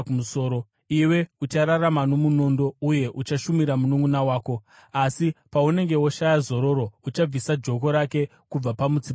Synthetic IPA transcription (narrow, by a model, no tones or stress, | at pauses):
usoːɾo | iwe̞ut͡ʃaɾaramano̞muno̞ndo̞uje̞ʔut͡ʃaʃumiɾamunuŋɡunawaːko̞ | asipaune̞ŋɡe̞wo̞ʃajazo̞ɾo̞ɾo̞ut͡ʃab͡visad͡ʒo̞ko̞ɾake̞ | kub͡vapamud͡zi